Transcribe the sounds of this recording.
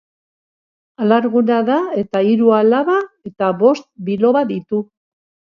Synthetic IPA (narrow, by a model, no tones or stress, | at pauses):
alaɾɣunaðae̞t̪aiɾualaβae̞t̪aβo̞st̪̚bilo̞βaðit̪u